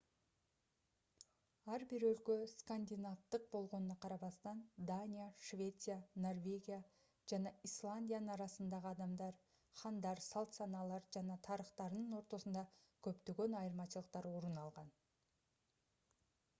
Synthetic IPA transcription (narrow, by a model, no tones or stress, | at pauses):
ɑɾbɪɾɵlkʲeskanʲd̪ʲinaft̪əq̚bo̞lˠʁo̞nənɑqʰɑɾɑbɑst̪ɑnd̪anʲijaʃvʲe̞t̪sɨjano̞rvʲe̞ɡʲija | ʒ̥anɑijslˠanʲdʲijanənɑɾɑsənd̪ɑʁəɑd̪ɑmd̪ɑɾ | χɑnd̪ɑɾsɑlˠt̪sɑnɑlˠɑɾʒɑnɑt̪ʰɑɾəχt̪ɑɾnəɴwo̞ɾt̪o̞sənd̪ɑkʲʰɵpt̪eɡʲe̞nɑjəɾmɑʃəlˠəq̚t̪ɑɾwo̞ɾənɑlˠʁɑn